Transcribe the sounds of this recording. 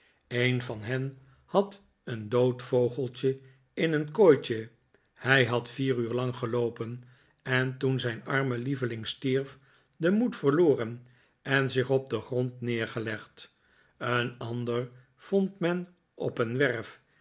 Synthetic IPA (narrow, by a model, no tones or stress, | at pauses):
ejnvɑnɦɛn | hɑt | əndowtfowχəlˠt͡ʃə | ɪnənkojt͡ʃə | hɛjɦɑtfiːryːɹlɑŋχəlowpən | ɛntunzɛjnɑɹməlivəlɪŋstiɹf | dəmutfəɹloːrən | ɛnzɪχɔb̚dəχrɔntnɪːɹχəlɛχt | ənɑndər | v̥ɔntmɛn | ʔɔpənʋɛɹf